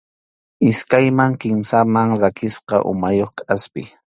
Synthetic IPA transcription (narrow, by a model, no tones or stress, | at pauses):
ɪskajmaŋkɪmsamaŋɾakɪsqɑ̰ʔʊ̰majoχkʼaspɪ̰